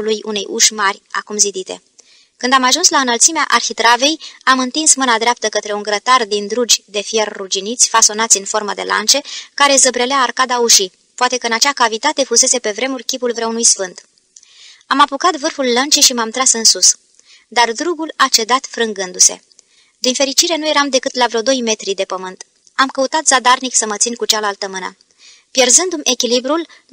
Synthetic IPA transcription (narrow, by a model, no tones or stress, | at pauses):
lujunejʔuʃmarʲa̰kumzid̪it̪e̞̰ | kɨnd̪amaʒunslaɨnəlt̪simea̰ʔarxit̪ɾave̞jamɨnt̪insmɨnad̪ɾeap̚t̪əkət̪ɾe̞uŋɡɾət̪ard̪ind̪ɾud͡ʒʲd̪e̞fjerːud͡ʒinit̪sʲfaso̞nat̪sʲɨnfo̞rməd̪e̞lʔa̰nt͡ʃe̞kaɾe̞zəbɾe̞leaːrkad̪auʃi | poat̪e̞kəɨnat͡ʃakavit̪at̪e̞fuse̞se̞pe̞vɾe̞murʲkʲipulvɾeunujsfɨnt̪ | amapukat̪vɨrfulːənt͡ʃiʃimamt̪ɾasɨnsus | d̪ard̪ɾuɡulat͡ʃe̞d̪at̪fɾɨŋɡɨnd̪use̞̰ | d̪infe̞ɾit͡ʃiɾe̞nuje̞ɾamd̪e̞kɨt̪lavɾeod̪o̞jme̞t̪ɾid̪e̞pəmɨnt̪ | amkəut̪at̪zad̪arniksəmət̪sinkut͡ʃalalt̪əmɨnə̰ | pje̞rzɨnd̪ume̞kʲilibɾul